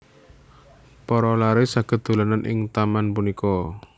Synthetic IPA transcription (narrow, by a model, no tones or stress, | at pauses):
pɔɾɔlaɾesaɡ̥ə̤t̪̚d̪̥o̤lananʔɪ̰ŋt̪amanpunikɔ